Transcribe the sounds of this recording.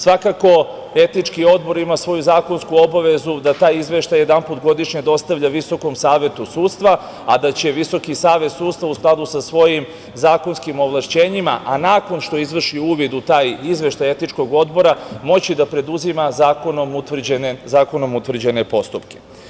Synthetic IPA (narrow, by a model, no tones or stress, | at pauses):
sʋakako̞ | e̞t̪nit͡ʃkio̞d̪bo̞ɾimasʋo̞juzaːko̞nskuo̞baʋe̞zud̪at̪aːjizʋe̞ʃt̪ajed̪anput̪ɡo̞d̪iʃɲe̞d̪o̞st̪aʋʎaʋiso̞ko̞msaːʋe̞t̪usuːt̪st̪ʋa | ad̪at͡ɕe̞ʋiso̞kisaːʋe̞t̪suːt̪st̪vausklˠad̪usasʋo̞jim | zaːko̞nskimo̞ʋlˠaʃt͡ɕeːɲima̰ʔanaːko̞nʃt̪o̞izʋr̩ʃiuːʋid̪ut̪aːjizʋe̞ʃt̪aje̞t̪nit͡ʃko̞ɡo̞d̪bo̞ɾamo̞t͡ɕid̪apɾe̞d̪uzimazaːkonomut̪ʋr̩d͡ʑenezaːko̞nomut̪ʋr̩d͡ʑene̞po̞st̪upke